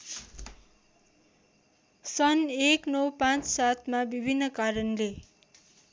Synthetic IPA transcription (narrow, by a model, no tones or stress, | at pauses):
sʌneknʌwpãt͡ssat̪ʰmabibʱinːʌkaɾʌnle